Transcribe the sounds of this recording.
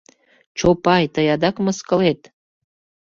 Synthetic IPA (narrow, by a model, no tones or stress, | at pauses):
t͡ʃopɑjt̪əjɑd̪ɑkməskə̆let̪